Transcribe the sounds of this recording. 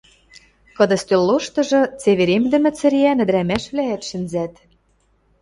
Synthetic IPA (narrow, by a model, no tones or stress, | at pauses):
kɤ̆d̪ɤ̆st̪ølːoʃt̪ɤ̆ʒɤ̆t͡seβeɾemd̪ɘ̆mɘ̆t͡sɘ̆ɾiænɘ̆d̪ɾæmæʃβlæːt̪ʃɘ̆nzæt̪